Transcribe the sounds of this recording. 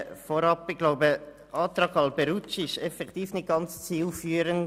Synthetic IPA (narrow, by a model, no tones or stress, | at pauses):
fɔɾɑpɪɡ̥loʊbə | ʔɑːt̪ɾɑɡɑlbɛɾut͡ʃɪʃɛfɛkt̪iːfnɪt̚ɡ̥ɑnt͡st͡siːlfyːɾən